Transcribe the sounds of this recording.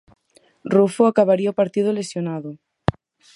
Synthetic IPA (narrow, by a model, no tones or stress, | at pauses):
rufoakaβaɾiaopaɾt̪iðolesjonaðʊ